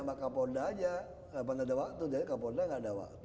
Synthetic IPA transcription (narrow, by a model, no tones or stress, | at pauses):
maʔkapodaːd͡ʒa | panadawaʔt̪udaakapodaŋɡaʔdawa̰ʔt̪